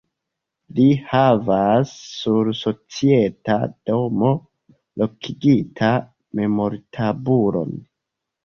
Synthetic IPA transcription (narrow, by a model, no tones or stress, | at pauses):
lihavasːuɾso̞t͡sie̞ta̰d̥o̞mo̞ | lo̞kʰiɡitʰa | me̞mo̞ɾtʰabuɾo̞̰n